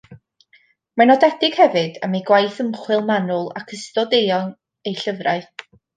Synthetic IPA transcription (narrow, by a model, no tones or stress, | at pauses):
manɔdɛdɪɡ̥hɛvɨd̥ə̰miɡwajθəmχwɪlˠmanʊlˠa̰kʰəstɔdejɔn | ejɬəvraɨ